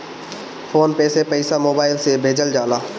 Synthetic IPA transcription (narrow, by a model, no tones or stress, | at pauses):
fʰoːnpeːsepəisamoːbaːɪlsebʱeːd͡ʒəld͡ʒaːlaː